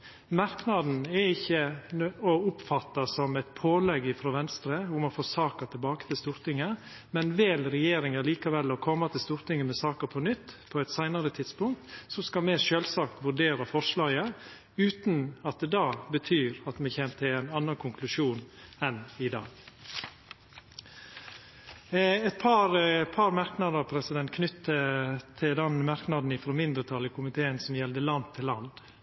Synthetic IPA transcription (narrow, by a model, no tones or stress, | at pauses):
mɑɾknɑd̪n̩ɛɪçːəɔʊpfɑt̪ːɑsɔmɛt̪pʰoːlɛɡɪfɾɔʋɛnst̪ɾəʊmɔfoːsɑːkɑt̪ʰɪlbɑːkə̥t̪ʰɪlst̪uːɾt̪ɪŋə | mɛnʋɪlɾɛjeːɾɪŋəliːkɑʋɛlɔkʰɔmːɑt̪ʰɪlst̪uːɾt̪ɪŋəmɛsɑːkəɾpʰɔnʏt̪ːpʰɔɛt̪sæɪnɑɾət̪ʰɪd̪spʊŋkt̪sɔskɑmɛʃøːlsɑːkt̪ʋʉɾɖeːɾɑfɔʂɭɑːɡə | ʉːt̪nɑt̪̚d̪ɛːd̪ɑbət̪ʰyːɾɑt̪mɛçɛnt̪ʰɪæɪnɑnːɑkʰʊŋkʰlʉʂuːnɛnɪd̪ɑ̰ːɡ | ɛt̪̚pʰɑɾpʰɑɾmɑɾknɑd̪əɾpʰɾɛsɪd̪ɛnt̪kʰnʏt̪ːət̪ʰɪd̪ɛnmɑɾknɑd̪n̩ɪfɾoːmɪnd̪ɾət̪ʰɑlɪkʰʊmɪt̪ʰeːənsɔmjɛld̪əlɑnd̪̚t̪ʰɪlːɑ̰nd̪